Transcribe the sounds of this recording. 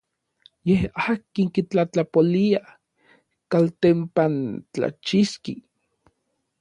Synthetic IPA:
jehaːkiŋkit͡ɬat͡ɬapolia | kalt̪empant͡ɬa̰t͡ʃiskḭ

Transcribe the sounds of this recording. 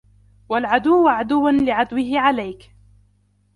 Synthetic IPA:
walʕad̪ʊwːʕad̪ʊwːanlɪʕad̪wɪɦɪʕalajk

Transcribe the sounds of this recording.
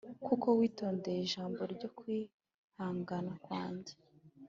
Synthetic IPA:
kuko̞wiːto̞ːnde̞jeiʒaːmbo̞ɾɟo̞kwi | haːŋɡanakwaːɲɟe̥

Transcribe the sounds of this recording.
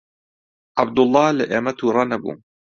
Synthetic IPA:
ʕabd̪ʊlˤːɑːlɐʔeːmɐt̪ʰuːɾˤɑnɐbṵː

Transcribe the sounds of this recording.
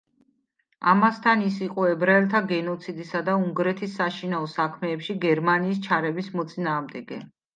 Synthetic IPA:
a̰mast̪ʰanisiqʼɔɛbɾaɛlt̪ʰaɡɛnɔt̪sʰid̪isad̪auŋɡɾɛt̪ʰisːaʃinaɔsakʰmɛːpʃiɡɛɾmaniːst͡ʃʰaɾɛbismɔt̪sʼinaːʁmd̪ɛɡɛ̰

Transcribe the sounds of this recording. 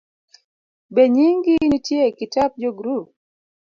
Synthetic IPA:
beɲiŋɡinitjekɪtap̚d͡ʒoɡɾup̚

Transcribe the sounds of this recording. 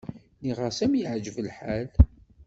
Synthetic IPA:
niʁəsæmjiʕd͡ʒəvəlħaæl

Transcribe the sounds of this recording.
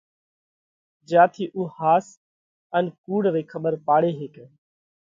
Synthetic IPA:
d͡ʒaːt̪ʰiːʔuːhaːs | ənkuːɽɾeːkʰəɓəɾpaːɽeːɦeːkː

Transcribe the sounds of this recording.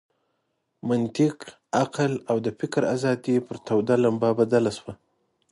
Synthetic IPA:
mant̪ɪq | aqlawd̪əfɪkɾazɑd̪ipəɾt̪awd̪alambabad̪alaswa

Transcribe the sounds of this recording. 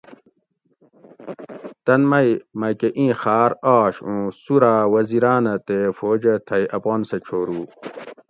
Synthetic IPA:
t̪ɐnmɐjmɐjkeʔĩːxaːɾaːɕũsuɾaːwɐziɾaːnɐt̪efoːd͡ʑɐt̪ʰɐjɐpoːnset͡ɕʰoːɾuː

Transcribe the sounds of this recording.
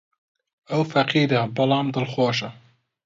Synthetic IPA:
ɐwfɐqiːɾabɨlɑːmd̪ɨlxoːʃɐ

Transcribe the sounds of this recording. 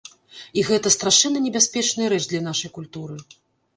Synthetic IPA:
iɣɛt̪ɐst̪ɾaʂɛnːɐnʲɛbʲasʲpʲɛt͡ʂnɨjɐɾɛt͡ʂd̪lʲɐn̪aʂɐjkulʲt̪uɾɨ

